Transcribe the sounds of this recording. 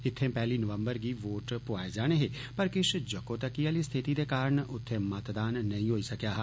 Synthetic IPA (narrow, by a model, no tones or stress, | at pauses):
ɪt̪ʰːẽːpɛːliːnəʋə̃mbəɾɡiːʋoːʈpʊaːed͡ʒaːɽ̃eːɦeː | pəɾkɪʃd͡ʒəkõːt̪əkːiaːliːst̪ʰɪt̪iːd̪eːkaːɾəɳʊt̪ʰːẽːmət̪d̪aːnːɐɦĩːɦoːiːsəkjaːɦ